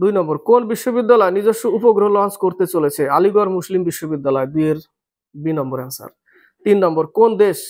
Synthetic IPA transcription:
d̪ujnɔmboɾkonbiʃːobid̪ːalɔenid͡ʑoʃːoupoɡɾoɦoloanskoɾt̪et͡ɕolet͡ɕʰealiɡɔɾmuslimbiʃːobid̪ːalɔed̪ueɾ | binɔmboɾɛnsa̰ɾ | t̪inːɔmboɾkond̪eʃ

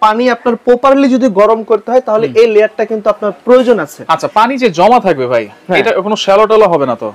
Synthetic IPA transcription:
paniapnaɾpopaɾlid͡ʑod̪iɡɔɾomkoɾt̪eɦɔet̪aɦoleelejaɾʈakint̪uapnaɾpɾojod͡ʑonat͡ɕʰeaːɕʰapanid͡ʑed͡ʑɔmat̪ʰak̚bebʱajeʈakonoʃɛloʈaloɦɔbenat̪o̰

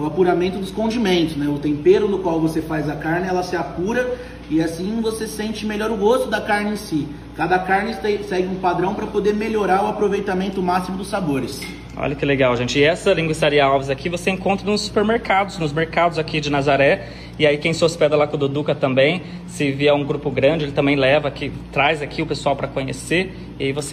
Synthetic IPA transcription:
ʊapuɾamẽnt̪ʊd̪ʊskõnd͡ʒimẽnt̪ʊsnɛʊt̪ẽpeɾʊnʊkwawvosefajzɐkaɾnɪɛlɐsɪapuɾɐ | ɪasĩvosesẽnt͡ʃɪmeʎɔɾʊɡost̪ʊd̪ɐkaɾnɪẽsi | kad̪ɐkaɾnɪesɛɡɪũpad̪ɾɐ̃w̃pɾɐpod̪eɾmeʎoɾaɾʊapɾovejt̪amẽnt̪ʊmasimʊd̪ʊsaboɾɪs | ɔ̰ʎɐkɪleɡawʒẽnt͡ʃɪɪɛsɐlĩŋɡwɪsaɾiɐawvɪzakʰivoseẽŋkõnt̪ɾɐnʊsːu̥peɾmeɾkad̪ʊznʊzmeɾkad̪ʊzakid͡ʒɪnazaɾɛ | ɪaikẽj̃sospɛd̪ɐlakõd̪od̪ukɐt̪ɐ̃mbẽj̃ | sɪviɐũɡɾupʊɡɾɐ̃d͡ʒɪelɪt̪ɐ̃mbẽj̃lɛvɐkɪt̪ɾajzakʰiʊpesuawpɾɐkõɲḛse | ɪaivos

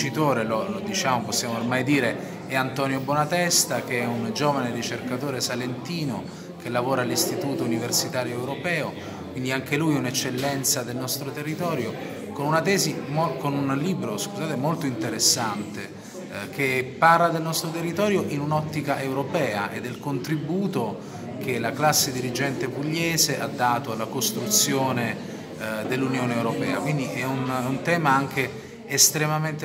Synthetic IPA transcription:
t͡ʃit̪oːɾelolod̪it͡ʃaːmoposːjaːmoːrmajd̪iːɾe | ɛant̪ɔːnjobwonat̪ɛst̪ak̟eɛund͡ʒoːvanerit͡ʃerkat̪oːɾesalent̪iːno | kelːavoːɾaːlːist̪it̪uːt̪ouniversit̪aːɾjoewɾopɛːo | kwind̪iaŋkelujɛunɛt͡ʃːelːɛnt̪sad̪elnɔst̪ɾot̪erːit̪ɔːɾjo | konunat̪ɛːzimokonunliːbɾoskuzaːt̪emolt̪oint̪eɾesːant̪e | k̟epːarlad̪elnɔst̪ɾot̪erːit̪ɔːɾjoʔinunɔt̪ːikaʔewɾopɛːaʔḛd̪ːelkont̪ɾibuːt̪o | k̟elaklasːed̪iɾid͡ʒɛnt̪epuʎːɛːzeʔad̪ːaːt̪oalːakost̪ɾut̪sːjoːne | d̪elːunjoːneːwɾopɛ̰ːa̰kwind̪iʔɛununt̪ɛːmaaŋk̟eː | st̪ɾemament̪

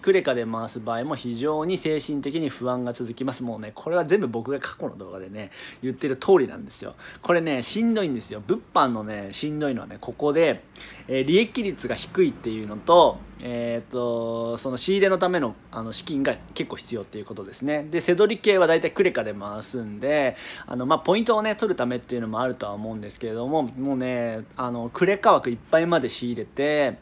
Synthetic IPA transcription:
kɯ̟ɾe̞kad̪e̞maːsɨbaːimo̞çiʑo̞ːɲ̟ise̞ːɕĩnt̪e̞kʲiɲ̟iɸɯ̟βãŋɡat͡sɨzɨkʲimasɨmo̞ːne̞kʰo̞ɾe̞βazẽ̞mbɯ̟bo̞kɯ̟ɡakʰḁko̞no̞̰d̪o̞̰ːɡad̪e̞ne̞jɯ̟t̪ːe̞ɾɯ̟t̪ʰo̞ːɾʲinã̰nd̪e̞sɨjo̰ko̞ɾe̞ne̞ɕĩnd̪o̞ĩnd̪e̞sɨjo̞bɯ̟pːãnːo̞ne̞ɕĩnd̪o̞ino̞a̰ne̞̰ko̞ko̞d̪e̞ː | ɾʲie̞kʲiɾʲit͡sɨɡaçi̥kɯ̟it̪ːe̞jɯ̟ːno̞t̪o̞et̪ːo̞so̞no̞ɕiːɾe̞no̞t̪ame̞no̞ano̞ɕi̥kʲĩŋɡake̞kːo̞ːçi̥t͡sɨjo̞t̪ːe̞iɯ̟ko̞t̪o̞d̪e̞sɨne̞d̪e̞se̞d̪o̞ɾʲike̞ːβad̪ait̪aikɯ̟ɾe̞kad̪e̞masɨ̃nd̪e̞a̰no̞maːpo̞ĩnt̪̬o̞ːne̞t̪o̞ɾɯ̟t̪ame̞t̪ːe̞iɯ̟no̞mo̞aɾɯ̟t̪o̞βa̰omo̞ɯ̟̃nd̪e̞sɨ̥ke̞ɾe̞d̪o̞mo̞moːne̞ano̞kɯ̟ɾe̞kaβakɯ̟ipːaimad̪e̞ɕiːɾe̞t̪e̞

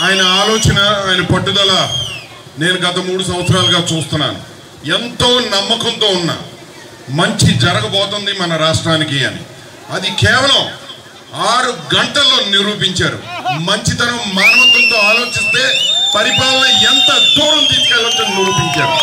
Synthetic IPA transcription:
aːjɐnɐaːlo̞ːt͡ʃɐnɐaːjnɐpɐʈːud̪ɐlaː | ne̞ːnuɡɐt̪ɐmuːɽus̬ɐmʋɐt̪sɐɾaːluɡaːt͡ʃuːst̪unːa̰ːnṵ | ent̪o̞ːnɐmːɐkɐnt̪o̞ːunːa̰ː | mɐɲt͡ʃid͡ʒɐɾɐɡɐpɔːt̪ond̪imɐnɐɾaːʂʈɾaːnikiɐ̰nḭ | ɐd̪ikɛːʋɐlɐm | aːɾuɡɐɳʈɐlːo̞ːniɾuːp̬iɲt͡ʃaːɾṵmɐɲt͡ʃit̪ɐnɐmmaːnɐʋɐt̪ːɐnt̪o̞ːaːlo̞ːt͡ʃist̪e̞ːpɐɾipaːlɐnɐent̪ɐd̪uːɾɐmt̪iːskɐːlɐnt̪onniɾuːpiɲt͡ʃaːɾu

